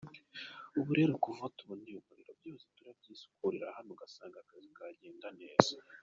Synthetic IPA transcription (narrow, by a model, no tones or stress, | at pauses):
uβuɾe̞ɾukuvatuβonijumuɾiɾobjoːzituɾabɟiːsu̥kuɾiɾa̰hanoɡasaːŋɡakazikaɟe̞ːndane̞ːz̥a